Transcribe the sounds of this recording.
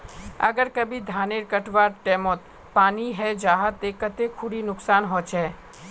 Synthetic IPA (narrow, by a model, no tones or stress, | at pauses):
ə̰ɡəɾkəbʱid̪ʱaːneɾkəʈʋaːɾʈɛːmoːt̪ | paːniɦɛd͡ʒaːɦət̪ekət̪ekʰʊɽinʊksaːnɦɔt͡ʃʰɛː